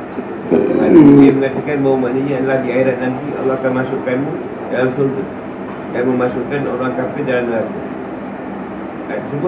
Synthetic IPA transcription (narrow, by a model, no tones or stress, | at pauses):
aalaniaməŋat̪akanmawmaʔnaɲaadəlahdiaiɾat̪̚nant̪ia̰lːɔhakanmasuʔkanmũ | dalanfʊlt̪u | danməmasuʔkanoɾaŋkafɪdalanlaku | dat̪sub